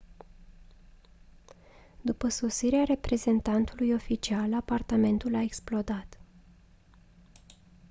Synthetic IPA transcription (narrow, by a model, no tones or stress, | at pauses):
d̪upəso̞siɾeaɾe̞pɾe̞ze̞nt̪ant̪ulujo̞fit͡ʃialapart̪ame̞nt̪ulaeksplo̞d̪at̪